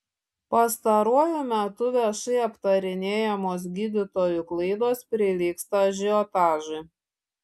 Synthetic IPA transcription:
pɐst̪ɐɾuɔjʊmʲɛt̪ʊʋʲɛʃɐɪɐpt̪ɐɾʲɪnʲeːjɛmoːs̬ɡʲiːd̪ʲɪt̪oːjʊklˠɐɪd̪oːspʲɾʲɪlʲiːkst̪ɐʒʲɪɔt̪ɑːʒʊ

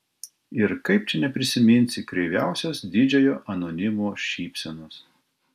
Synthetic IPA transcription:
ɪɾkɐɪp̚t͡ʃʲɪnʲɛpʲɾʲɪsʲɪmʲɪnʲsʲɪkɾʲɛɪʋʲæˑʊsʲosd̪ʲɪd͡ʒʲɛjoːʔɐnonʲɪmoːʃʲiːpʲsʲɛnoːs

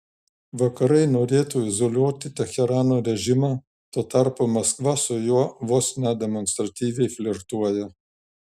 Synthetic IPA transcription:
ʋɐkɐɾɐɪnoːɾʲeːt̪uːɪzolʲuɔt̪ʲɪt̪ʲɛxʲɛɾɑːnoːɾʲɛʒʲɪmɑː | t̪oːt̪ɑɾpoːmɐskʋɐsʊjuɔʋoːsnʲɛd̪ʲɛmɔnst̪ɾɐt̪ʲiːʋʲɛɪfʲlʲɪɾt̪uɔjɛ

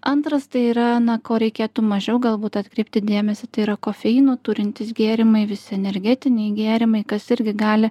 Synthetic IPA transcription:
ʔɐnt̪ɾɐst̪ɐɪiːɾɐnɐkoːɾʲɛɪkʲeːt̪uːmɐʒʲɛʊɡɐlˠbuːt̪ɐt̪kɾʲɛɪpʲt̪ʲɪd̪ʲeːmʲɛsʲɪt̪ɐɪiːɾɐkoːfʲɛjɪnuːt̪ʊɾʲɪnʲt̪ʲɪsɡʲeːɾʲɪmɐɪʋʲɪsʲɪɛnʲɛɾʲɡʲɛt̪ʲɪnʲɛɪɡʲeːɾʲɪmɐɪkɐsɪɾʲɡʲɪɡɑːlʲɪ

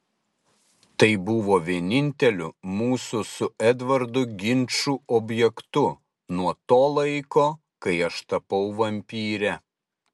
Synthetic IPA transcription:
t̪ɐɪbʊʋoːʋʲiɛnʲɪnʲt̪ʲɛlʲʊmuːsʊsʊɛd̪ʋɐɾd̪ʊɡʲɪnʲt͡ʃuːɔbʲjɛkt̪ʊ | nuɔt̪oːlˠɐɪkoː | kɐɪɐʃt̪ɐpɐʊʋɐmʲpʲiːɾʲɛ

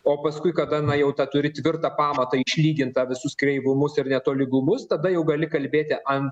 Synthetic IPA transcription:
oːpɐskʊɪkɐd̪ɐnɐjɛʊt̪ɑt̪ʊɾʲɪt̪ʲʋʲɪrt̪ɐːpɑːmɐt̪ɐɪʃʲlʲiːɡʲɪnt̪ɐʋʲɪsʊskɾʲɛɪʋʊmʊsɪrnʲɛt̪oːlʲɪɡʊmʊst̪ɐd̪ɐjɛʊɡɐlʲɪkɐlʲbʲeːt̪ʲɪʔʔɐn

